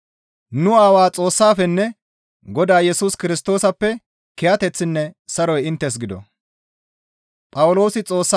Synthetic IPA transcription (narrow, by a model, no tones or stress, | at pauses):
nʊaːwaːt͡sʼo̞ːsːaːfɛnːɛ | ɡɔd̪aːjɛsuːskɪɾɪst̪o̞ːsɐpːɛ | kɛjɐt̪ɛt͡sːɪnːɛsɐɾɔjɪnt̪ːɛs̬ɡɪd̪ɔ̰ | pʼɐwlo̞ːsɪt͡sʼo̞ːsːa